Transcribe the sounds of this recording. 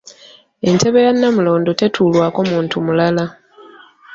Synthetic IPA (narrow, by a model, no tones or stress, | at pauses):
e̞ntʰe̞βe̞janːamulo̞ːndo̞te̞tʰuːlwaːko̞muːntʰumulala